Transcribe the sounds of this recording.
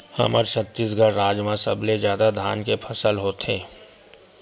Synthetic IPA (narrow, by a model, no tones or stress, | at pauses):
hɐ̰məɾsʰət̪ːiːsɡəɾːaːd͡ʒmãsəblezjaːd̪ad̪ʱaːnkepʰɐsəlɦoːt̪ẽː